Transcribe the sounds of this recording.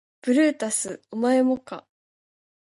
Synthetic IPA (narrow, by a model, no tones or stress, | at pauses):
b̥ɯ̟ɾɯ̟ːt̪asɨomae̞mo̞ka̰